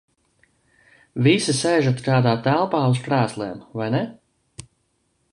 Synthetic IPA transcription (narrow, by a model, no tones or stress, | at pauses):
visisɛjʒat̪kaːd̪aːt̪ælˠpaːuskɾæːslˠɛːmvajnɛ